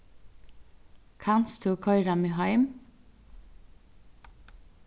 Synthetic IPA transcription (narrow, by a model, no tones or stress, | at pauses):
kʰɑnst̪ʰuːkʰɔʏɾɑmiːɦɑɪm